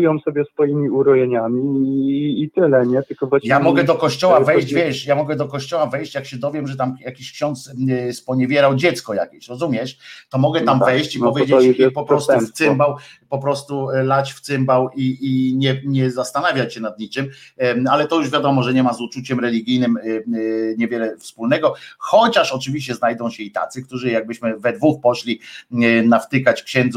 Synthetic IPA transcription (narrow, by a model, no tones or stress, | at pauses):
jɔ̃w̃sɔbʲɛsfɔjimʲiuɾɔjeɲamʲiː | t̪ɘlɛɲɛt̪ɘlkɔvwajamɔɡɛd̪ɔkɔɕt͡ɕɔwwavɛjɕd͡ʑvʲjɛʂjamɔɡɛd̪ɔkɔɕt͡ɕɔwavɛjɕt͡ɕjakɕɛd̪ɔvʲjɛmʐɛt̪amjakʲiɕkɕɔnt̪sspɔɲɛvʲjɛɾawd͡ʑɛt̪skɔja̰kʲɛɕɾɔzumʲjɛʂt̪ɔmɔɡɛt̪amvɛjɕt͡ɕipɔvʲjd͡ʑepɔpɾɔst̪fsɪmbawpɔpɾɔst̪ulat͡ɕft̪sɘmbawiiɲɛɲɛzast̪anavʲjat͡ɕɕɛnad̪̚ɲit͡ʂɘmalɛt̪ɔjuʐvʲjad̪ɔmɔʐɛɲɛmazut͡ʂut͡ɕɛmɾɛlʲiɡʲijnɘm | ɲɛvʲjɛlɛfspulnɛɡɔxɔt͡ɕaʂɔt͡ʂɘvʲiɕt͡ɕɛznajd̪ɔ̃w̃ɕɛit̪a̰t̪sɘk̚t̪uʐɘjaɡ̚bɘɕmɘvɛd̪vuxpɔɕlʲinaft̪ɘkat͡ɕfkɕɛnd̪z